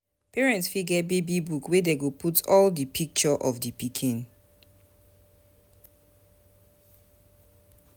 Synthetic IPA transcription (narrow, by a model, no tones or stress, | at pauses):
piɹɛ̃ntsfiɡɛt̚bebibukwedeɡopʰutʰɔldipʰik̚t͡ʃɔʔɔfdipikʰĩn